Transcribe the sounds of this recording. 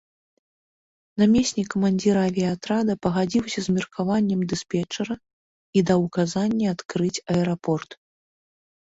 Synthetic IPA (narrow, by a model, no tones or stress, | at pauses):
namʲesʲnʲikːɐmanʲd͡zʲiɾavʲiat̪ɾad̪ɐpɐɣad͡zʲiwsʲɐzmʲirkʰavanʲːɛmd̪ɨspʲɛt͡ʂɐɾɐ | id̪awkazanʲːiat̪kɾɨt͡sʲɐɛɾapɔrt̪